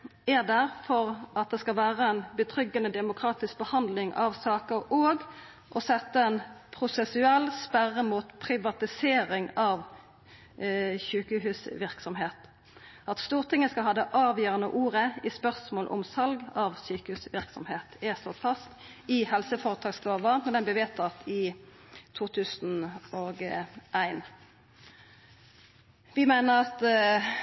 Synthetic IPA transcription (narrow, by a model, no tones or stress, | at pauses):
æd̪æʁfɔʁʔɑt̪̚d̪ɛskɑʋæːʁəɛnbət̪ʰʁʏɡːənəd̪ɛmʊkʰɾɑːt̪ɪsk̚bəhɑnd̪lɪŋʔɑ̰ʋsɑːkəʁoːɡ | ʔɔsɛt̪ːəɛnpʰʁʊsɛsʉɛlːspæʁːəmuːt̪pʰʁɪʋɑt̪ɪseːɾɪŋɑʋ | çʉːkəɦʉːsʋɪʁksɔmɦeːt̪ | ʔɑt̪st̪uːʁt̪ʰɪŋːəskɑlɦɑːd̪əʔɑːʋjøːʁənə̰ʔuːʁəɪspœʁsmoːlʔʊ̰msɑlɡɑʋsyːkəhʉːsʋɪʁksɔ̰mheːt̪æst̪oːt̪fɑst̪ | ɪhɛlsəfoːʁət̪ʰɑːɡsloːʋəmɛd̪ɛnbɛʋeːt̪ʰɑt̪ʰɪ | t̪ʰuːt̪ʰʉːsn̩oːɡʔæɪn | ʋɪmæɪnəʁɑt̪